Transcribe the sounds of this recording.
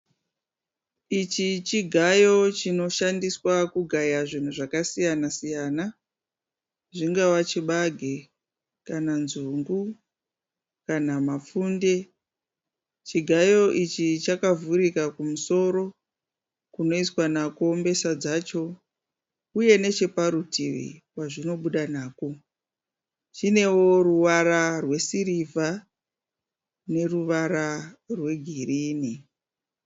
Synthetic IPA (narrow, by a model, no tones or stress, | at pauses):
it͡ʃit͡ʃiɡʱajo̞t͡ʃino̞ʃandiswakuɡʱajaʐin̤uʐakasijanasijaːna | ʐiŋɡawat͡ʃiɓaɡʱe | kananzuŋɡu | kanamafuːnde̞ | t͡ʃiɡʱajo̞ʔit͡ʃit͡ʃakavuɾikakumuso̞ɾo̞ | kuno̞iswanako̞mbe̞sad͡zat͡ʃo̞ | uje̞ne̞t͡ʃe̞paɾutiʋḭwaʐino̞ɓuɗanaːko | t͡ʃine̞wo̞ɾuwaɾarwe̞siɾivʱa | ne̞ruʋaɾarwe̞ɡʱiriːni